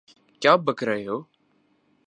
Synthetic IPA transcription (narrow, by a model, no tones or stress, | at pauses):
kjaːbʱəkɾəjoː